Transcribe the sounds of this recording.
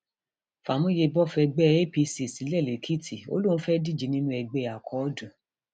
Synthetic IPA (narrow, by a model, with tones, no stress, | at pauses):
fa˨mũ˦je˧bɔ˦fɛ˧ɡ͡bɛ˦˧e˦pi˧si˨si˨˦lɛ˦˨le˨kʰi˦˨tʰi˨o̰˦lũ˦˨˦fɛ˦di˦˨d͡ʒi˨˧˦nĩ˦nũ˦ɛ˧ɡ͡bɛ˧˨a˨kʰɔ˨˦dũ˨